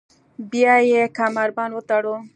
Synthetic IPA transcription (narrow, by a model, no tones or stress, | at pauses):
biajekʰamaɾbanot̪aɽo